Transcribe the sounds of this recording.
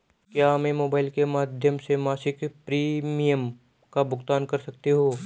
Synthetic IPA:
kjaːɐmẽmoːbaːɪlkemaːd̪ʱjəmsemaːsɪkpɾiːmijəm | kabʊɡt̪aːnkɐɾsɐkt̪eɦoː

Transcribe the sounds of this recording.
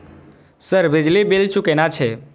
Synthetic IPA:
səɾbɪd͡ʒlibilt͡ʃukenat͡ʃʰe

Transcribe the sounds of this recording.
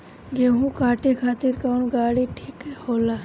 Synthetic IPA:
ɡeɦũkaːʈekʰaːt̪iɾkawɳɡaːɽiʈʰiːkɦɛhoːlaː

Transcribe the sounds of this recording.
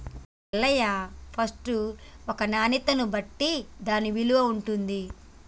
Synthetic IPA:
lːɐjapʰɐsʈuɔkɐnaːnit̪ɐnubɐʈːid̪aːniʋiluʋɐuɳʈund̪i

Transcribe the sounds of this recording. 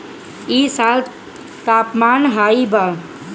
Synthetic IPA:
isal | t̪aːpmanɦaiba

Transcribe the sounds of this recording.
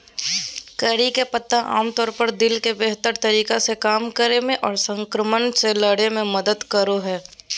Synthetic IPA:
kəɾikepət̪ːãʔa̰ːmt̪ɔːɾpəɾd̪ɪlkebeɦt̪əɾt̪ɐɾiːkasekaːmkəɾemẽʔɔːɾsə̃ŋkɾəmənselɐɽemẽmɐd̪əd̪kəɾoɦɛː

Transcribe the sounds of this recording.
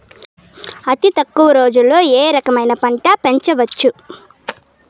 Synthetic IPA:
ɐt̪it̪ɐkːuʋɐɾo̞ːd͡ʒulːo̞ːeːɾɐkɐmɐjnɐpɐɳʈɐpe̞ɲt͡ʃɐʋɐt͡ʃːu

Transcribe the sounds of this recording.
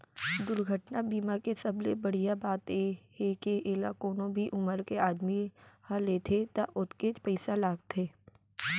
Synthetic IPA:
d̪ʊɾɡʱəʈnabiːmakesɐblebɐɽ̤ijabaːt̪ehekeʔeːlakoːnõbʱiʔʊməɾkeaːd̪mihaleːt̪ʰet̪aʔʊt̪ket͡ʃpəɪsalaːɡt̪ʰeː

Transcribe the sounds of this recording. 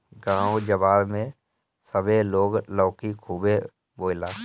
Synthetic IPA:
ɡãːõd͡ʒəbaːlmẽ | səbʱeloːɡlɔːkikʰuːbe | boːlaː

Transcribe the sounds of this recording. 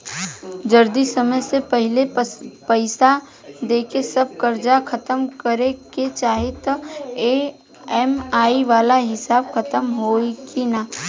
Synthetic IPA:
d͡ʒɐɾd̪isɐməjsepɐɦɪlepəɪsa | d̪eːkesɐb̚kɐɾd͡ʒakʰɐt̪əmkəɾeket͡ʃaːɦet̪e | ɛmaːiʋaːlaɦɪsaːbkʰɐt̪əmɦoːikinaː

